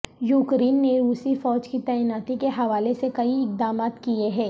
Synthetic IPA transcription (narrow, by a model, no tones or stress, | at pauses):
juːkɾeːnːeɾuːsifɔːd͡ʒkit̪ɛːjnaːt̪ikeɦɐʋaːlesekɐiɪk̚d̪aːmaːt̪kieɦɛ̃ː